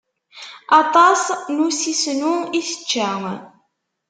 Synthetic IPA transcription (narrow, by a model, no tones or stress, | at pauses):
ɑt̪ˤɑsnusisnuiθə̥t͡ʃːæŋ